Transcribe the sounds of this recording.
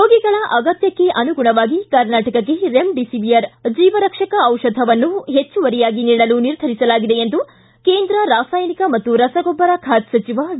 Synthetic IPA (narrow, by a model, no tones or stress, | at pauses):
ɾoːɡiɡɐɭɐʔɐɡɐt̪jɐkːe̞ʔɐnuɡuɳɐʋaːɡikɐɾnaːʈɐkɐkːe̞ɾe̞mɖisiʋiɐɾd͡ʒiːʋɐɾɐkʂɐkɐɐwʂɐd̪ʱɐʋɐnːuɦet͡ʃːuʋɐɾijaːɡiniːɽɐluniɾd̪ʱɐɾisɐlaːɡid̪e̞end̪u | keːnd̪ɾɐɾaːsaːjɐnikɐmɐt̪ːuɾɐsɐɡɔbːɐɾakʰaːt̪sɐt͡ʃiʋa